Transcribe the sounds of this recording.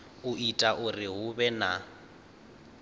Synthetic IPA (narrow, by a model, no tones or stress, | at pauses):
ʊitʼaʔʊrɪɦʊbɛna